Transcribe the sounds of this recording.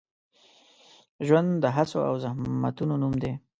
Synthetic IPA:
ʒwand̪d̪əɦat͡soa̰wzahma̰t̪unonumd̪e

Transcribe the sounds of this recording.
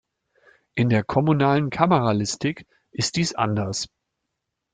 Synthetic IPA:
ʔɪndeːɐkʰɔmunaːlənkʰaməʁalɪstɪk | ʔɪst̚d̥iːsʔa̰ndɐs

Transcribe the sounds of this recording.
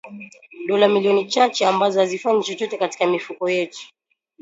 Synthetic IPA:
ɗɔlamilijɔnit͡ʃat͡ʃɛambazɔhazifaɲt͡ʃɔt͡ʃɔtɛkati̥kamifukɔjɛtu̥

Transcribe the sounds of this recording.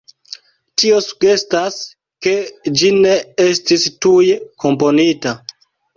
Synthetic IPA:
tio̞su̥ɡe̞stas | ke̞d͡ʒine̞estistujkʰo̞mpo̞nita

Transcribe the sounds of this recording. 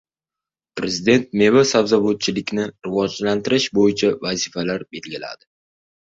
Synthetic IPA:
pɾe̞zid̪e̞nt̪̚me̞vasavzabot̪̚t͡ʃʰɪlɪkʲnɪɾɪvɒd͡ʒlant̪ɪɾɪʃbojɪt͡ʃʰavazɪfalaɾbe̞lɡʲɪla̰d̪ɪ

